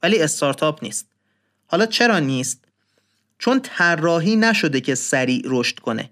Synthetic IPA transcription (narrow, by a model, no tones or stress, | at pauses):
væliːe̞st̪ʰɒːɾt̪ʰɒːpʰnḭːst̪̚ | hɒːlɒːt͡ʃʰe̞ɾɒːniːst̪̚ | t͡ʃʰont̪ʰærːɒːɦiːnæʃo̞d̪ecʰe̞sæɾiːʔɾoʃt̪kʰo̞nḛ